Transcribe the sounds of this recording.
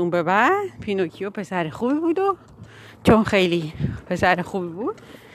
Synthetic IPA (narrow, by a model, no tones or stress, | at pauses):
umbebæ̥pʰinokʰijopʰe̞sæɾexubibuːd̪o | t͡ʃʰonxejlipʰesæɾexubibuːd̪̥